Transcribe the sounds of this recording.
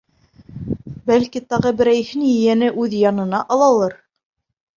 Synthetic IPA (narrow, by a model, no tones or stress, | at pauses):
bælkit̪ɑʁɤbɘ̆ɾæjhɘnjɘ̆jænɘʔʉðjɑnɤ̆nɑʔɑlˠɑlˠɤɾ